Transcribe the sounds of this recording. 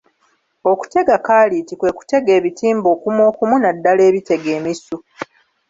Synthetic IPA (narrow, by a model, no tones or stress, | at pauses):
o̞ku̥te̞ɡakaːlitikwe̞ːku̥te̞ɡe̞ːβitiːmboːkumo̞ːkumunadːale̞ːβite̞ɡe̞ːmisu